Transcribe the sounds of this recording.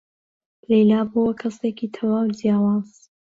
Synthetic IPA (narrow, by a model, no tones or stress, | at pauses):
lejlaːbowɐkʰɐsekit̪ʰɐwaːwdijaːwaːz̥